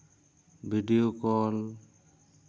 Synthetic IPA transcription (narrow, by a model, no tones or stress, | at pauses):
bʱiɖijokɔl